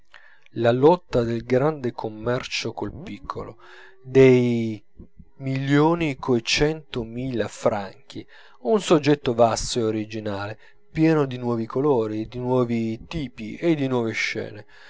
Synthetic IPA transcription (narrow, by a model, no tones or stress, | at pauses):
lalɔt̪ːad̪elɡɾand̪ekʰomːɛrt͡ʃokolpikʰːo̰lo | d̪ej | miljoːnikʰoet͡ʃɛnt̪ʊmiːlafɾaŋk̟i | ɛunsod͡ʒːɛt̪ːovasːoeoɾid͡ʒinaːle | pjɛːnʊd̪inwɔːvikʰolɔːɾid̪inwɔːvit̪iːpiʔed̪ːinwɔːveʃːɛ̰ːne